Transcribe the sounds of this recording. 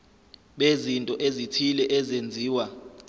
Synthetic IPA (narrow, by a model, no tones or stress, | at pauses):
ɓezintʼɔʔezitʰilɛʔɛzend͡zʱiːwa